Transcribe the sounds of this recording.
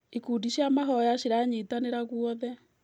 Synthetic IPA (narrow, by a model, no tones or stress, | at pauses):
ekuːdiɕjamaɦɔjaɕeɾaɲetaneɾaɣwɔðɛ